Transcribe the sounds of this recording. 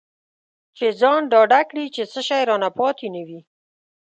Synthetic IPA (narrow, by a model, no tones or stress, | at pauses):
t͡ʃed͡zɑnɖɑɖakɽit͡ʃesəʃajɾɑnapɑt̪enəwi